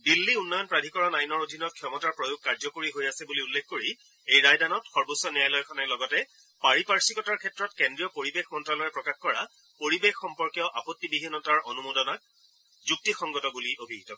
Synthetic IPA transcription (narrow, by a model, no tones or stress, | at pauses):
dilːiunːɔjɔnpɹadʱikɔɹɔnajnɔɹodʱinɔt̚kʰjɔmɔtaɹpɹojuɡ̚kaɹzɔkoɹiɦojasɛbuliulːekkoɹi | ejɹajdanɔtxɔɹbusːɔnijajlɔjkʰɔnɛlɔɡɔtɛ | paɹipaɹsikɔtaɹkʰɛtɹɔtkendɹijɔpoɹibexʰmɔntɹalɔjɛpɹɔkaxkɔɹa | poɹibexxɔmpɔɹkjɔʔapɔtːibibʱinːɔtaɹʔonumodɔnak̚ | zuk̚tixɔŋɡɔtɔbuliʔobʱiɦitɔ